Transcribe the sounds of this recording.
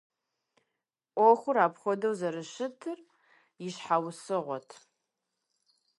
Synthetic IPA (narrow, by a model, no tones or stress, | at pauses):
ʔʷɔxʷʊɾaːpχʷɔdɐwzɐɾɨʃɪtʰɨr | jɪɕħawsɨʁʷɔtʰ